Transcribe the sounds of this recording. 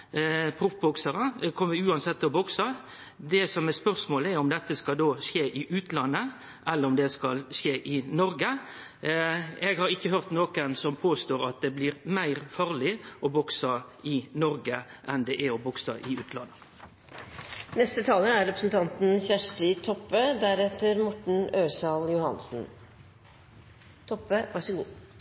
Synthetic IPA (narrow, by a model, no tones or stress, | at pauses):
pʰɾʊfbʊksəɾəkʰɔmːəʉːɑnsɛt̪ːɔbɔksə | d̪ɛsɔmɛspœʁsmoːləɛɔmd̪ɛt̪ːəskɑld̪oːʃeːʔɪʔʉːt̪lɑnːə | ʔɛlːəɾɔmd̪ɛskɑlʃeːʔɪnɔɾɡə | ɛɡhɑɾʁɪkːəɦœʁt̪noːkənsɔmpʰoːst̪oːɾɑt̪̚d̪ɛblɪːɾmæɪɾfɑːʁlɪʔɔbɔksəɪnɔɾɡəʔɛnd̪ɛʔæɔbɔksəʔɪʉːt̪ʰlɑnːə | nɛst̪ət̪ʰɑːləæɾɛpɾəsn̩t̪ʰɑnt̪n̩çæʂʈɪt̪ʰɔpːəd̪æɾɛt̪əɾmɔʈɳ̩øːsɑljʊhɑ̰nsn̩ | t̪ʰɔpːəʋæʂɔɡṵː